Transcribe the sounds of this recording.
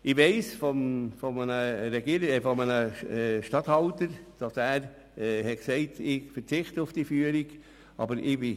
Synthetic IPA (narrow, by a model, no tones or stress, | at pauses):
ɪʋɛɪsfɔmfɔmənəɾɛɡiəɾɪɛfɔmənəɛʃtɑthɑltəɾd̥ɑsæːɾ | hɛksɛɪtʰɪɡfəɾt͡sɪχtəʊfd̥ifyəɾiɡ | ʔɑ̰bəɾɪbɪ